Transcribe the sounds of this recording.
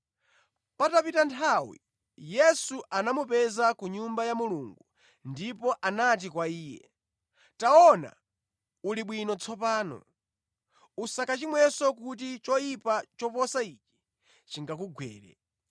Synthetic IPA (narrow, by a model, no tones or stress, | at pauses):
patapitantʰawḭ | jɛsuʔanamupɛzakuɲumbajamuluŋɡu | ndipɔʔanat̬ikwaiːjɛ̰ | taɔna̰ | uliɓwinɔt͡sʰɔpaːnɔ̰ | usakat͡ʃimwɛsɔkut̬it͡ʃɔipat͡ʃɔpɔsait͡ʃi̥ | t͡ʃiŋɡakuɡwɛ̰ːɾɛ̰